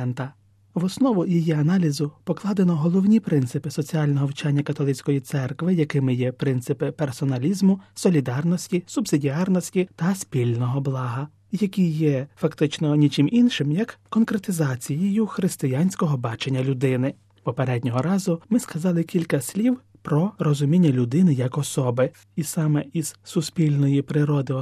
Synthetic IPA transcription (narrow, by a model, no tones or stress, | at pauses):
nt̪ɐ | ʋɔsnɔʋʊjijiɐnɑlʲizʊpɔklˠɑd̪enɔɦɔlˠɔwnʲipɾɪnt̪sɪpɪsɔt͡sʲiɑlʲnɔɦɔwt͡ʃɑnʲːɐkɐt̪ɔlˠɪt͡sʲkɔjit̪sɛrkʋɪjɐkɪmɪjɛpɾɪnt̪sɪpɪpersɔnɐlʲizmʊsɔlʲid̪ɑrnɔsʲtʲisʊbsɪdʲiɑrnɔsʲtʲit̪ɐspʲilʲnɔɦɔblˠɑɦɐ | jɐkʲijɛfɐkt̪ɪt͡ʃnɔnʲit͡ʃɪminʃɪmjɐkːɔnkɾet̪ɪzɑt͡sʲijijʊxɾɪst̪ɪjɑnʲsʲkɔɦɔbɑt͡ʃenʲːɐlʲʊd̪ɪnɪ | pɔpeɾɛdʲnʲɔɦɔɾɑzʊmɪskɐzɑlˠɪkʲilʲkɐsʲlʲiw | pɾɔɾɔzʊmʲinʲːɐlʲʊd̪ɪnɪjɐkɔsɔbɪ | isɑmɛiz̥sʊspʲilʲnɔjipɾɪɾɔd̪ɪ